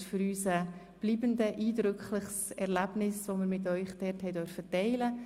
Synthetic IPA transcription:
ʃfʏɾyːsə | b̥liːbəndəʔiːdɾʏkχləχsɛɾlæb̥nɪsvoməɾmɪt̬œʏχd̥ɛthɛɪdœɾfətɛɪlə

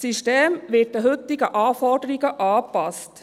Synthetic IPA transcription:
siʃteːmʋɪt̚dəɦɵt̪ːɪɡəʔɑːfɔɾdəɾiɡəʔɑːpɑst

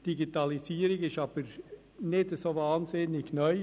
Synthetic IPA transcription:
d̥iɡitɑlisiːɾɪɡɪʃɑːb̥əɾ | nɪdəsovɑːnsɪnɪɡnœʏ

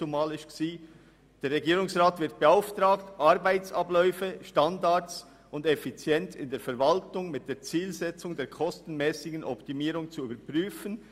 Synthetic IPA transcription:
umaːlɪʃksiː | d̥eːɾʁɛɡiːɾʊŋsʁaːtv̥ɪt̚b̥eaʊftʁaːktʔaɾbaɪt͡sablɔʏfəʃtandat͡s | ʊndɛfit͡sjɛntɪndeːɐfɛɐvaltʊŋmɪt̚d̥eːɐt͡siːlzɛt͡sʊŋdeːkʰɔstn̩mɛːsɪɡən̩ʔɔptimiːɾʊŋt͡suyːbəɐpʁyːfən

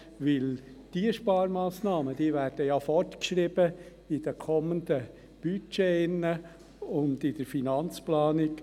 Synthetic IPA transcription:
ʋɪld̥iəʃpɑːɾmɑːsnɑːməd̥iːʋæːɾd̥əjɑːfɔrtkʃɾɪb̥ə | ɪd̥əkʰɔmənd̥̪ə | b̥yt͡ʃeɪnːə | ʊndɪd̥əɾfinɑnt͡splɑːnɪk

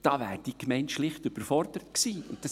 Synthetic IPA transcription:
d̥ɑːvæːɾd̥ikmɛɪntʃlɪχtʏb̥əɾfɔrd̥̪əɾətksiːʊ̰nttɑs

